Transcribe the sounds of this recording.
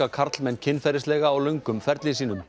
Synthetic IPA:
akʰaɾt̪lmɛncʰɪnːfɛɾɪst̪lɛːɣaːwlœjŋkʏmfɛɾt̪lɪs̬iːnʏm

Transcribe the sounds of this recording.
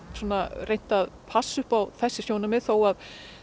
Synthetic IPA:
sɔːnarejn̥t̪aðpʰasːʏhpawθɛsːɪsjownamɛðθowað

